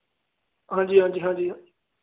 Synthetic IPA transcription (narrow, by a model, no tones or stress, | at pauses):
ɦãːd͡ʒiːɦãːd͡ʒiːɦãːd͡ʒĩː